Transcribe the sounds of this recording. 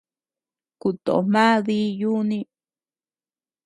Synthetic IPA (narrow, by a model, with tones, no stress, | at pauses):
ku˧t̪o˨ʔo̰˨mã˦ði˦ju˦nĩ˧